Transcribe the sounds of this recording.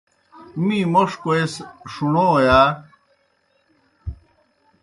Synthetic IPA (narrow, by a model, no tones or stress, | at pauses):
mĩːmoʂkoesʂunojaː